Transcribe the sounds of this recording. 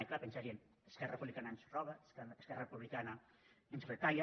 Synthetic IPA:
jklapənsaɾien | əskɛɾrrəpuβlikanansrɔβəsskɛrɐrəpuβlikana | ensuɾet̪aj

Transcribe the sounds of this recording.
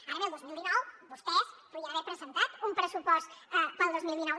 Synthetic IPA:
aɾɐβɛld̪ozmilˠd̪inɔwβust̪ɛspuðiaβɛɾpɾəzənt̪at̪umpɾəsupɔst̪ɛpəlˠd̪ozmilˠd̪inɔw

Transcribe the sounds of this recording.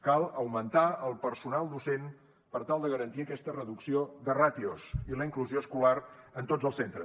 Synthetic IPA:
kalˠəwmənt̪aəlˠpəɾsunalˠd̪usen | pəɾt̪alˠd̪əɣəɾənt̪iəkɛst̪ərəðuksioðərat̪iosiləiŋkluzioəskulaɾənt̪odd͡zəlˠsent̪ɾə

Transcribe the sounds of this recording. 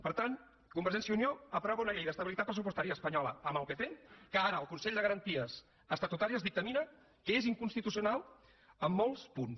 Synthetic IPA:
pəɾt̪an | kumbəɾʒɛnsjəunioəpɾɔβəunəʎejðəst̪əβilit̪at̪̚pɾəsupust̪aɾiəspəɲɔləəməlˠkəfenkəaɾəːlˠkunsɛʎd̪əɣəɾənt̪iəs | əst̪ət̪ut̪aɾiəzðik̚t̪əminə | kəeziŋkunst̪it̪usiunalˠ | əmːolˠspuns

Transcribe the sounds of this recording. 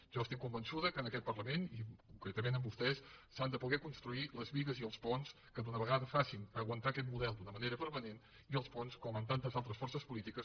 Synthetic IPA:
ʒ̥ɔəst̪ikkːumbənsuðəkənəkɛt̪pərləmenikuŋkɾɛt̪əmenəmbust̪ɛsː | and̪əpuɣɛkunst̪ɾuiləzβiɣəziəlˠspɔns | kəðunəβ̞əɣaðəfasinəɣwənt̪aəkɛt̪muðɛlˠd̪unəməneɾəpəɾmənen | iəlˠspɔnskɔmənt̪ant̪əzalˠt̪ɾəsfɔrsəspulit̪ikəs

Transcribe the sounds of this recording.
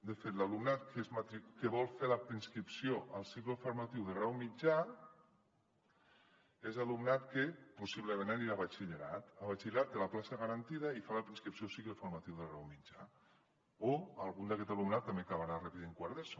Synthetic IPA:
d̪efet̪lalumnat̪kezmat̪ɾikeβɔlˠfelapɾinskɾipsioʔalˠsikləfoɾmat̪iwðerawmid͡ʒa | ezalumnat̪kepusiβləmẽnaniɾaβat͡ʃiʎeɾat̪aβat͡ʃiʎeɾat̪ːelaplasaɣaɾant̪iðaifalapɾinskɾipsjosikləfoɾmat̪iwðerawmid͡ʒa | oalˠɣund̪akɛt̪alumnat̪ːambekaβaɾarapiðeŋkwaɾðes

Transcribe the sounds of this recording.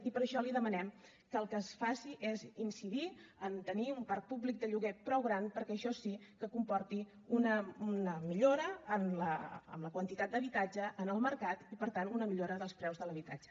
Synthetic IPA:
ipəɾəʃɔliðəmənɛm | kəːlˠkəːsfasiʔezinsiðiənt̪əniumpaɾk̚puβlik̚d̪əʎuɣɛt̪̚pɾɔwɣɾanpəɾkɛəʃɔsikəkumpɔrt̪i | unənəmiʎoɾəːmləə̰mləkwənt̪it̪at̪̚d̪əβit̪ad͡ʒəʔːnəlˠməɾkat̪ipəɾt̪anunəmiʎoɾəðəlˠspɾɛwzðələβit̪a̰d͡ʒə̥

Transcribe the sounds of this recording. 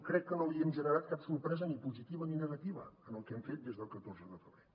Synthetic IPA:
kɾɛkːənoliɛmʒənəɾat̪̚kapsuɾpɾɛzənipuzit̪iβəninəɣət̪iβə̰ənəlˠkɛmfet̪̚d̪ezðəlˠkət̪orzəðəfəβɾe

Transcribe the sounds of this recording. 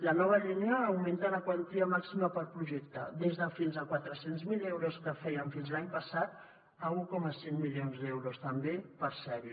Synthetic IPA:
lənɔβ̞əʎineəːwmẽnt̪aləkwant̪iəmaksiməpəlˠpɾuʒɛkt̪əd̪ezðəfinzəkwat̪ɾəsenzmilewɾoskəfɛjəɱfinzlaɲpəsat̪̚ | əukɔməsenmilionzðɛwɾost̪əmbepəɾsɛβi

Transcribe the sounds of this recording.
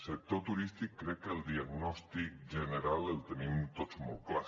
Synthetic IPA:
sɛt̪ot̪uɾist̪ikːɾɛkɛld̪iaɡnost̪ik̚d͡ʒɛnɛɾalɛlt̪nimut̪ot͡ʃmoklas

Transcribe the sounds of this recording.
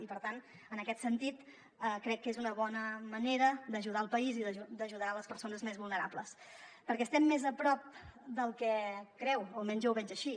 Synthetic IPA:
ipəɾt̪an | ənəkɛt̪sənt̪it̪ | əkɾɛkːezunəβɔnəməneɾəd̪əʒuðaəlˠpəiziðəd̪əʒuðaələspəɾsonəzmezβulˠnəɾa̰pləs | pəɾkɛst̪ɛmːezəpɾɔp̚d̪əlˠkɛkɾɛwomɛɲzewβɛd͡ʒəʃi

